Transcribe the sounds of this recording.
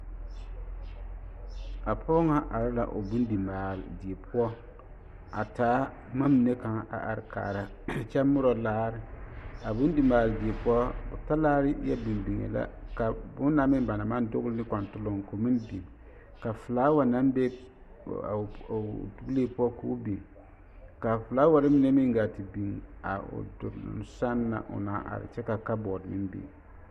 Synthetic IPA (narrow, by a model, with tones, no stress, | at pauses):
a˨pʰɔ˦ŋa˦ʔa˨ɾa˦la̰˨ʔo̰˨bu˦ndi˨maː˨ldi˨e˨pʰʊ˦ɔ˦ | a˨taː˨˦ | ma˦mi˨ne˦ka˨ŋa˨ʔa̰˨ʔa̰˨ɾɪ˦ka̰ː˨ɾa˨ | t͡ʃɛ˦mʊ˦ɾɔ˨laː˦ɾɪ˦a˨bu˦n˦di˨maː˨ldi˨e˨pʊ˦ɔ˦bʊ˨ta˦laː˦ɾɨ˦ja˦bi˨m˨bi˨ŋḛ˨la̰˦ka˨bʊ˦n˦na˦mɪ˦m˦ba˨na˨ma˦n˦dʊ˦ɣlnɨ˦ka˨ntʊ˦lo˨ŋ˨ko˨mi˦ndi˨ŋ | ka˨fɨ˨laː˦wa˨na˦mbe˦˨ | du˦ɡleː˦pu˦ɔ˦kuː˦bi˨ | ka˨fɨ˨laː˨˦wa˨˦ɾɪ˦mi˦nɛ˦mi˦ŋ˦ɡa˨ti˨bi˨ŋa̰˨ʊ̰˨dʊ̰˨ɾnʊ̰˨n˦sa˦nːa̰˨ʔʊ̰˨na˨˦ʔa̰˨ɾɪ̰˨t͡ʃɛ˦ka˨ka˦bɔ˨dmi˦nbḭ˨